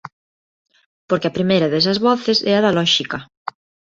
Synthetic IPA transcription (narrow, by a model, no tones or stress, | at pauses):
poɾkeapɾimejɾɐðes̬ɐzβɔθesɛaðalɔʃikɐ